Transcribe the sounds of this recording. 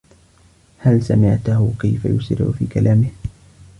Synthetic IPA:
halsamɪʕt̪ahʊkajfajʊsɪɾ̰ʕʊ̰fiːkalʔaːmɪh

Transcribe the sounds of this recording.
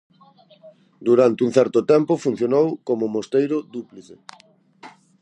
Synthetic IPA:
d̪uɾant̪ɪuŋ̟θɛɾt̪ʊt̪ɛmpʊfun̟θjonowkomʊmost̪ejɾʊd̪upliθe

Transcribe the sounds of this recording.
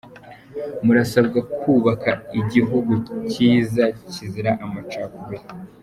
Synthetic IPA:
muɾasabɡakʰuːβakaiɟiɦuɡuciːzaciziɾaʔamat͡ʃakuwe

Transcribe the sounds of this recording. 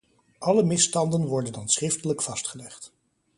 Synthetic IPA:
ʔɑləmɪstɑndənʋɔɹdəndɑnsrɪftələkfɑstχəlɛχt

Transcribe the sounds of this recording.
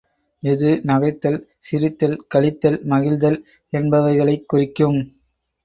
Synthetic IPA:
ɪðɯnɐɣɐɪt̪ːɐl | sɪɾɪt̪ːɐlkɐɭɪt̪ːɐlmɐɣɪɻðɐl | ɛnbɐʋɐɪɣɐɭɐɪkːʊrɪkːɯm

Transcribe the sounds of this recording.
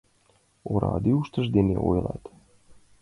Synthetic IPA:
oɾɑ̰d̪iuʃt̪ə̆ʒd̪enḛʔojlˠɑt̪

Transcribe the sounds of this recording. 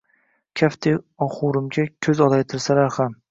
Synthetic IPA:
kʲʰaft̪ʰe | ɒχʊɾɪmɡʲakʲʰɵzɒlajt̪ʰɪɾsalaɾham

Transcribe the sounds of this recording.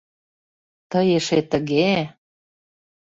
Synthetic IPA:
t̪əjeʃet̪ə̆ɣe

